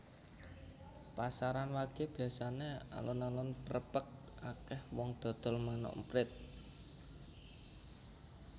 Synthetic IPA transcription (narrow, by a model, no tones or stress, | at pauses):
pasaɾanwaɡ̥e̤b̥ijasanea̰lʔonalɔnpəɾəpək̚ | ʔakɛhwɔŋd̪̥ɔ̤d̪̥ɔ̤lmanɔ̰ʔmpɾɪt̪̚